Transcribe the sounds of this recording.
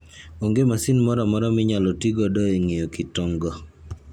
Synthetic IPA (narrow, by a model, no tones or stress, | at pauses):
oŋɡemasinmɔɾɔmɔɾɔmɪɲalɔtiɡɔdɔeŋejokɪtɔŋɡɔ